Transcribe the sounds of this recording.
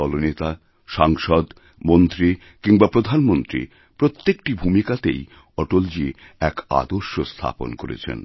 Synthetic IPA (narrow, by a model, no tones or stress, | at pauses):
ɔlonet̪a | ʃaŋʃɔd̪ | mont̪ɾi | kiŋbapɾod̪ʱanmont̪ɾḭ | pɾot̪ːekʈibʱumikat̪ḛj | ɔʈold͡ʑi | ɛka̰d̪oɾʃost̪ʰa̰po̰nkoɾḛt͡ɕʰḛn